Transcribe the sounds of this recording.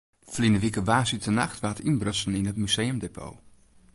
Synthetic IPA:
flinəʋikəʋaːsitənaχtʋaːtinbrsənɪnɦətmyz̥ejəmdepʰo̰ː

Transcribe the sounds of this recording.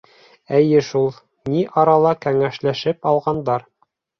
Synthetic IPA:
æjɘʃulˠ | niʔɑɾɑlˠɑkæŋæʃlæʃɘpɑlˠʁɑnd̪ɑɾ

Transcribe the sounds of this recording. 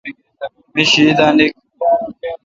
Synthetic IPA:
miɕid̪ãːnik̚

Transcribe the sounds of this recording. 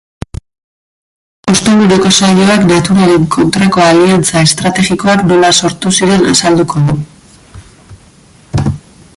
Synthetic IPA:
ust̪end̪uɾeko̞saʎo̞aknat̪uɾaleŋkʰo̞nt̪ɾako̞aliant͡sae̞st̪ɾat̪e̞ɣiko̞akno̞laso̞ɾt̪usiɾe̞nasald̪ukʰo̞ðu

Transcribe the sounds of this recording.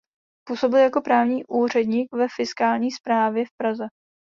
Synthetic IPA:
puːso̞bɪljako̞pɾaːvɲiːʔuːr̝ɛdɲiːkvɛfɪskaːlɲiːspɾaːvjɛfpɾazɛ

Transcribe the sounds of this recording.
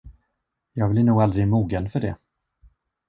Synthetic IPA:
jɑːɡvlɪɳnuːɡald̪ɾɪmuːɡənfœɖɛ

